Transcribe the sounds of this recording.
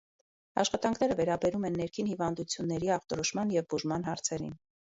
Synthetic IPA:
ɑ̰ʃχɑt̪ɑŋkʰnɛɾəvɛɾɑbɛɾumɛnːɛɾkʰinhivɑnd̪ut͡sʰjunːɛɾiɑχt̪ɔɾɔʃmɑnjɛvbuʒmɑn̪ɦɑɾt͡sʰɛɾḭn

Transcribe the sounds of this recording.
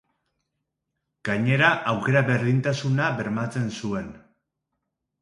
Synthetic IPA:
ɡ̥aɲe̞ɾaʔawke̞ɾaβe̞ɾðint̪asunaβe̞ɾmat͡se̞nsue̞n

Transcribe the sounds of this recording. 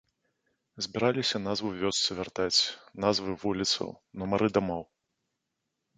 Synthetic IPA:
zʲbʲiɾalʲisʲɐnazvɨwvʲɔst̪sɨvʲart̪at͡sʲnazvɨvulʲit̪sɐ̰w | numaɾɨd̪amɔw

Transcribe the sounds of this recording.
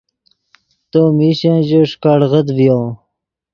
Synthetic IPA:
t̪omiɕãʑoʂkaɽʁəd̪vjõː

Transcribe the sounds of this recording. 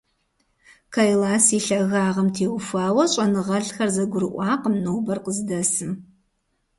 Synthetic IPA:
kʰajlaːsiːɬɐɣaːʁɐmtʰeːwʊfaːwɐɕʼɐnɨʁɐɮxɐrzɐɡʷʊɾɨʔʷɑːqəmnoːbɐrqəzdɐsɨm

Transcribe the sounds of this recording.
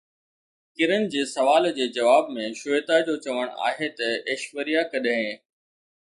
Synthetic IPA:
kɪɾənɪ̆d͡ʑeːsɐʋaːld͡ʑeːd͡ʑɐʋaːbmẽʃʊet̪ad͡ʑoːt͡ɕɐʋəɽ̃a̰ːɦet̪ɐeːʃʋəɾijakɐɗɦẽː

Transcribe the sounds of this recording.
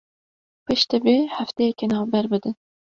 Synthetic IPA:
pʰɨʃt̪ɛbeːhæft̪ejɛkenɑːvbɛɾbɨd̪ɨn

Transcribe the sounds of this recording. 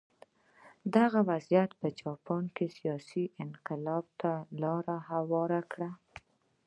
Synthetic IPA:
d̪aɣawazjat̪pəd͡ʒɑpɑnkesijɑsiʔɪnqɪlɑb̚t̪alɑɾahawɑɾakɽa

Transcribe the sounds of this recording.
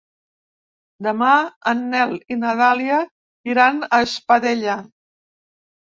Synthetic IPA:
d̪əmaənːɛlinəðaliə | iɾanəʃpəðeʎə

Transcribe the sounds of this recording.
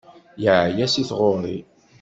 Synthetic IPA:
jəʕjæsiθʁoɾˤi

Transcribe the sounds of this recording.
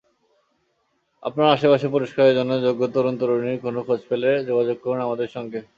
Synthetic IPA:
a̰pnaɾaʃepaʃep̬oɾiʃkaɾeɾd͡ʑonːod͡ʑoɡːot̪ɔɾont̪oɾoniɾkonokʰod͡ʑfeled͡ʑoɡad͡ʑoɡ̚koɾunamad̪eɾʃɔŋɡe

